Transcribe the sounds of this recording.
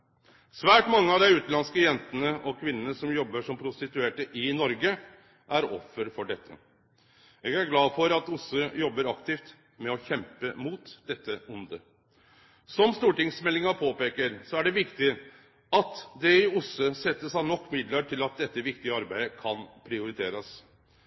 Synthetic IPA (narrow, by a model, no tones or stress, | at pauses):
sʋæːʈmɑŋːəɑʋd̪æɪʉːt̪nlɑnskəjɛnt̪ənəɔkʰʋɪnːənəsɔmjɔbːəʂɔmpʰɾʊst̪ɪt̪ʉeːʈəʔɪnɔɾɡə | ʔæɾɔ̰fːəɾfɔɖɛt̪ʰːə̰ | eːɡæɾɡlɑːfɔɾɑt̪ʊsʉjɔbːəɾɑkt̪ɪːft̪ | mɛɔçɛmpəmuːt̪d̪̥ɛt̪ʰːəʊnd̪ə | sɔmst̪uːʈɪŋsmɛlːɪŋɑpʰoːpeːkəɾsɔæɖɛʋɪkt̪ɪ | ɑt̪d̪ɛɪʊsʉsɛt̪ːəsɑnɔkːmɪd̪ləʈʰɪlɑt̪̚d̪ɛt̪ːəʋɪk̚t̪ɪəɑɾbæɪəkʰɑnpʰɾɪʊɾɪt̪ʰeːɾɑs